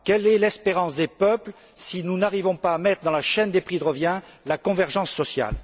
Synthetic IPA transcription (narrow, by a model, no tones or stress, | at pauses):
kɛlɛlɛspeʁɑ̃sd̪epœpl | sinunaʁivɔ̃paːmɛt̪χəd̪ɑ̃laʃɛnd̪epχid̪əʁəvjɛ̃lakɔ̃vɛʁʒɑ̃sːɔsja̰l